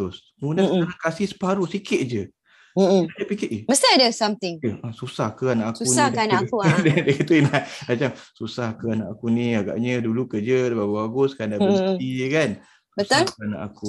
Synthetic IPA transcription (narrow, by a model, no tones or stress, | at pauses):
ʊs | nunaənakasisə̥paɾusikɪt̪̚d͡ʒə | aapikɪʔiməst̪idəsamt̪ɪŋjəasusahkəanaʔaksuunakanakudadakit̪uinamat͡ʃamsusahkəanaʔakuniaɡa̰ʔɲədulukəd͡ʒədbaɡbaɡʊskandabət̪ikan | sbəsalkəna̰ʔa̰ku